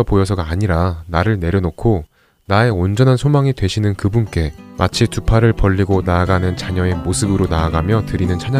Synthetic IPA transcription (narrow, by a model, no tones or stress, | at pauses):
ʌpojʌsʰʌɡaːɲiɾanaɾɯɭne̞ɾjʌnokʰo | nae̞ond͡ʑʌnɦansʰomaŋidwe̞ɕʰinɯnkɯbunk͈e̞mat͡ɕʰitupʰaɾɯɭpʌʎːiɡonaːɡanɯnt͡ɕaɲʌe̞mosʰɯbɯɾonaːɡamjʌtɯɾinɯnt͡ɕʰaɲ